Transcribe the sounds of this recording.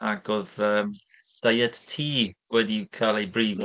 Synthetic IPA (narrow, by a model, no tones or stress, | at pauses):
aɡoðəːm | d̥ajɛd̥tʰiːwɛdikʰalˠejbriːv